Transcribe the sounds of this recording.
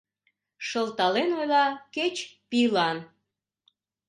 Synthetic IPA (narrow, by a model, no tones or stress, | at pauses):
ʃəlt̪ɑlenojlɑket͡ɕpilɑn